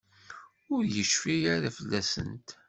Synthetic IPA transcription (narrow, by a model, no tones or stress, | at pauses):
ʊɾjəʃfiaɾafəlːæsə̰nt̪